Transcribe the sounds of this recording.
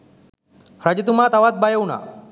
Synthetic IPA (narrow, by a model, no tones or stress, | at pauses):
ɾad͡ʑit̪umat̪aʋat̪̚bajəwna̰